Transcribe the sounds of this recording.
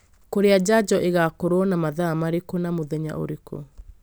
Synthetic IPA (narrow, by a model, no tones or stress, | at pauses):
koɾead͡ʒad͡ʑɔʔeɣakoɾoɔnamaðamaɾekonamoðɛɲa̰ʔo̰ɾeko̰